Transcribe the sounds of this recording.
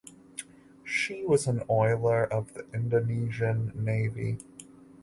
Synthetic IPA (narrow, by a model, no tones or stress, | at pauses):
ʃiwʌzə̃nɔɪlˠə˞ʔʌvðiʔɪ̃ndoniʒɨ̃nːeɪvḭ